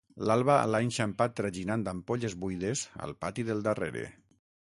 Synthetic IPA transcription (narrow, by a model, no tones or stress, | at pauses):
lalˠβa̰laenʲʃampat̪ːɾaʒinand̪ampoʎezβujðeza̰lˠpat̪iðelˠd̪arḛɾḛ